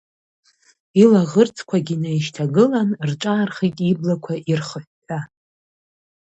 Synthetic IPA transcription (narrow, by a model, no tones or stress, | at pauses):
ilaʁərt͡sʰʼkʷʰaɡʲinajʃtʰaɡɨlanrʈ͡ʂʼaːrχitʼiblakʷʰaʔirχəħːʰa